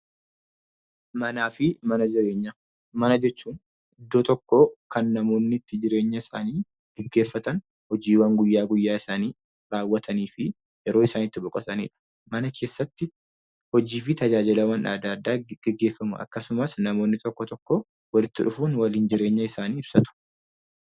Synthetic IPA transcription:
mɐnaːfɪmɐnɐd͡ʒɪɾe̞ːɲːɐ | mɐnɐd͡ʒɛt͡ʃːuːn | ɪd̪ːoːt̪ɔkːo̞ːkɐnːɐmo̞ːnːɪt̪ːɪd͡ʒɪɾe̞ːɲːɐɪsa̰ːniː | ɡ̥ɛɡːe̞ːfːɐt̪ɐn | hɔd͡ʒiːwɐŋɡʊjːaːɡʊjːaːɪsaːniː | ɾaːwːɐt̪ʰɐniːfɪ | jɛɾo̞ːɪsaːnɪt̪ːɪbʊkʼɐt̪ɐnḭːᶑɐ̥ | mɐnɐkʰe̞ːsːɐt̪ːɪ | hɔd͡ʒiːfɪt̪ɐd͡ʒaːd͡ʒɪlɐwɐnᶑa̰ːd̪aːd̪ːaːɡ̥ɛɡːe̞ːfːɐmʊ̰ɐ̰kːɐsʊmɐsnɐmo̞ːnːɪt̪ɔkːɔt̪ɔkːoː | wɐlɪt̪ːɪᶑʊfuːnwɐliːnd͡ʒɪɾe̞ːɲːɐɪsaːniːɪb̥sɐt̪ʊ̥

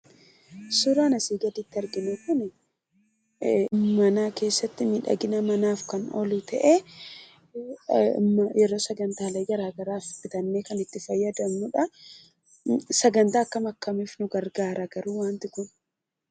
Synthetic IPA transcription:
sʊɾaːnɐsiːɡɐd̪it̪ːɪɐɾɡɪnɛkʊnɛ | mɐnaːke̞ːsːɐt̪ːɪmɪᶑɐ̰ɡɪnɐmɐnaːfkɐnɔ̰lit̪ʰɐʔe | mɐjɛɾo̞ːsɐɡɐnt̪aːlɐɡɐɾaːɡɐɾaːfɪt̪ɐnːeːkɐnɪt̪ːɪfɐjːɐd̪ɐmnʊᶑɐ | sɐɡɐnt̪aːkːɐmɐkːɐmiːfnʊɡɐɾɡaːɾɐɡɐɾuːwaːnt̪ɪkʊn

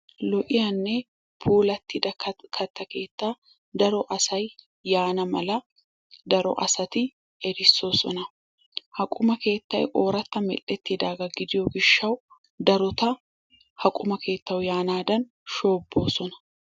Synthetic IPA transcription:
lɔʔɪjɐnːɛ | pʰuːlɐt̪ːɪd̪ɐkʰɐt̪ːɐke̞ːt̪ːaː | d̪ɐɾɔʔɐsɐjː | aːnɐmɐ̰lɐ | d̪ɐɾɔ̰ʔɐ̰sɐt̪ɪ | ɛɾɪsːo̞ːsɔ̰nɐ | hɐkʼʊmɐke̞ːt̪ːɐ̰jʔoːɾɐt̪ːɐmɛ̰lːɛt̪ːɪd̪aːɡɐɡɪd̪ɪjɔɡɪʃːɐw | d̪ɐɾɔt̪ɐ | hɐkʼʊmɐke̞ːt̪ːɐwjaːnaːd̪ɐn | ʃo̞ːbːo̞ːsɔnɐ̥

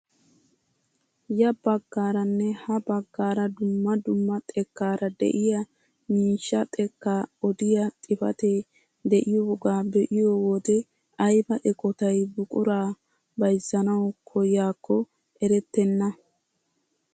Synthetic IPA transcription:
jɐbɐɡːaːɾɐnːɛhɐbɐɡːaːɾɐd̪ʊmːɐd̪ʊmːɐt̪ʼɛkːaːɾɐd̪ɛ̰ʔɪjɐ | miːʃːɐt̪ʼɛkːaɔd̪ɪjɐt̪ʼɪfɐ̰t̪e | d̪ɛʔɪjɔʊɡaːbɛʔɪjɔwɔd̪ɛ | ʔɐjbɐʔɛkʼɔt̪ɐjbʊkʼʊɾaː | bɐjzːɐnɐwkʰɔjaːkʰːɔ | ɛɾɛt̪ːɛnːɐ

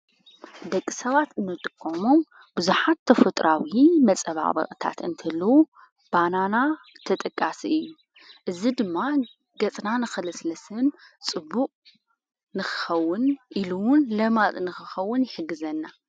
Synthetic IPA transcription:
d̪ɐkʼːisɐβat̪ɨnːɨt̪ʼɨkʼːomo̞m | bɨzuħat̪ʰːɐfɐt̪ʼɾʔawimɐt͡sʼɐβa̰βɐ̰kʼt̪ʰa̰t̪ɨnt̪ʰɐlːɐu | b̥anana | t̪ʰɐt̪ʼɐkʼːasiʔɨjːu | ʔɨzid̪ɨmːa | ɡɐt͡sʼnanɨxɐlɨslɐsɨnt͡sʼɨbːuqʼ | nɨxɨ̥xɐwːʊnʔiluwʊnlɐmat̪ʼnɨxɨxɐwːʊnjɪħɨɡːɨzɐnːa

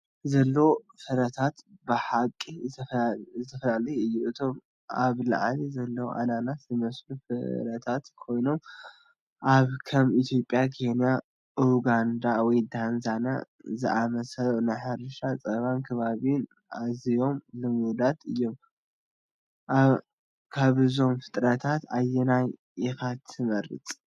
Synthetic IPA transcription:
zɐlːɐwo | fɐɾɐt̪ʰat̪bɨħakʼːi | t̪ʰɐflalɐjɨjːuʔɨt̪ʰo̞m | ʔaβla̰ʕlizɐlːɐwʔa̰nanat̪zɨmɐslufɨ̰ɾɐt̪ʰat̪kʰo̞jno̞m | ʔaβkʰɐmit̪ʰjo̞pʼjakʰe̞nija | ʔuɡand̪awɔjd̪anzana̰ | zɨʔamɐsɐlʔnɨħaɾɨʃat͡sʼɐβankʰɐβaβin | ʔazijo̞mlɨmud̪at̪ʰɨjːo̞m | ʔaβ | kʰaβɨzo̞mfɨ̥t̪ʼɾɐt̪ʰat̪ajːɛnaj | ɪxat̪ʰːɨmɐɾɨ̰t͡s̪ʼ

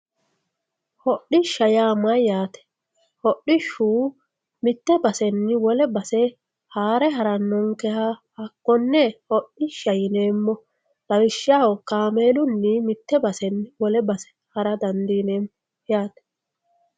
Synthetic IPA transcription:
hɔɗːɪʃːɐjaːmɐjaːt̪ɛ̥ | hɔɗːɪʃuː | mɪt̪ːɛbɐsɛnːɪwɔlɛbɐsɛ | haːɾɛɦɐɾɐnːɔŋkɛhahɐkːɔnːɛhɔɗɪʃɐjɪneːmːɔ | lɐwɪʃɪaːhɔkaːmeːlʊnːɪmɪt̪ːɛbɐsɛnːɪwɔlɛbɐsɛ̥ | hɐɾɐd̪ɐnd̪iːneːm | jaːt̪ɛ̥

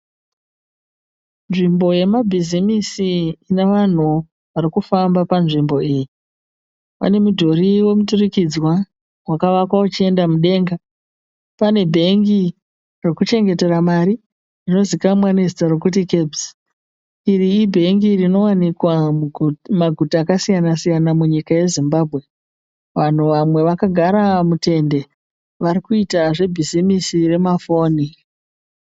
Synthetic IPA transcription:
nʐimbo̞je̞mabʱizimisiːne̞ʋan̤u | ʋaɾikufambapanʐimbo̞iːji | pa̰ne̞mudʱo̞riwe̞muturikid͡zwa | wakaʋakwaut͡ʃie̞ndamuɗe̞ːŋɡa | pane̞bʱe̞ŋɡi | rekut͡ʃe̞ŋɡe̞te̞ramaɾi | rino̞zikamwanezitaɾokut̬ike̞bzi | iriːbʱe̞ŋɡirino̞wanikwa | maɡʱutaːkasijanasijanamuɲikaje̞zimbaːbʱɣe̞ | ʋan̤uʋamwe̞ʋakaɡʱaɾamute̞nde̞ | ʋaɾikuitaʐe̞bʱizimisire̞mafo̞ːni

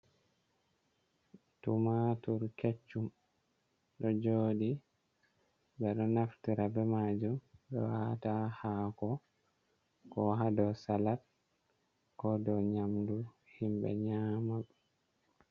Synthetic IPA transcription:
tumatuɾket͡ʃːum | ɗɔd͡ʒoːɗi | bɛɗɔnaftiɾabɛmad͡ʒumɓɛ̰watahakɔ | kɔɦadɔsalat̚ | kɔdɔɲamdu | himbɛ̰ɲaːmaɓ

